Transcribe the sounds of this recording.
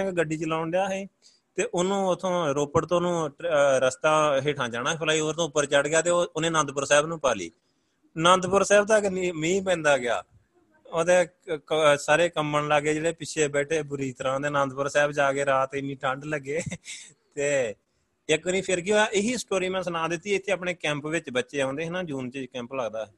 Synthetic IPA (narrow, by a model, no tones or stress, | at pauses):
kɡəɖːiːt͡ʃəlaːʊɳɖɪjaːɦeː | t̪eːʔʊnũːʊt̪ʰːõːɾoːpəʈt̪õːnũːɾəst̪ãːɦeːʈʰãːd͡ʒaːɽaːpʰəlaːiːoːɾt̪õːʊpːəɾt͡ʃəɽɡɪjaːt̪eːoʊnẽːnãːd̪pəɾsɛːbnũːpaːlḭː | nãːnd̪pʊɾsɛːbd̪aːkimĩːpɛ̃ːnd̪aːɡɪa̰ː | oːd̪eːksaːɾeːkəmːəɳlaɡeːd͡ʒeːɽeːpɪʃʰeːbɛːʈʰeːbʊɾiːt̪əɾãːd̪eːnãːnd̪pʊɾsɛːbd͡ʒaːɡeːɾaːt̪eːɪnːiːʈʰə̃ɳɖləɡːeː | t̪eː | əkənĩːpʰɪɾkɪoːaʔɪɦiːsʈoːɾiːmɛ̃ːsənãːd̪ɪt̪ːiːɛɪt̪ʰːeːəpɳeːkɛ̃ːmpʋɪt͡ʃbətːʃeːãːnd̪eːɦɪnãːd͡ʒuːnt͡ʃiːd͡ʒkɛ̃ːmpləɡd̪aːɛː